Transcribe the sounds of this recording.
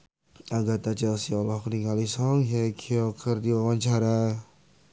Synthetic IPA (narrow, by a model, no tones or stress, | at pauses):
aɡat̪at͡ʃɛlsiɔlɔhkənikalisɔŋɦɛkʰiɔkʰərd̪iwawaɲt͡ʃaɾa